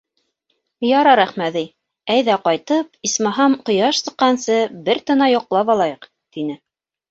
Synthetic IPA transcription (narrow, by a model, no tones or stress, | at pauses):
jɑɾɑɾæχmæði | æjðæqɑjt̪ɤp̚ismɑɦɑmqŏjɑʃsɤ̆qːɑnsɤbɘɾt̪ɤ̆nɑjŏqlˠɑpɑlˠɑjɤq | t̪inɘ